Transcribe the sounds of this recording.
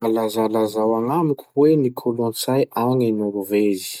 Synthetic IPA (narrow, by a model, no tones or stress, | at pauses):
alazalazawaŋamukʲu̥wenikʰolõnt͡sajaŋinuɾuvezi̥